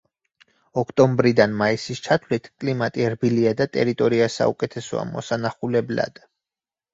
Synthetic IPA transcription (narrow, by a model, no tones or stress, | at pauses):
ɔkʰt̪ʼɔmbɾid̪anmaisist͡ʃʰat̪ʰvlit̪ʰkʼlimat̪ʼiɛɾbiliad̪at̪ʼɛ̰ɾit̪ʼɔɾiasa̰ukʼɛt̪ʰɛsɔ̰a̰mɔ̰sanaχulɛbla̰d̪̥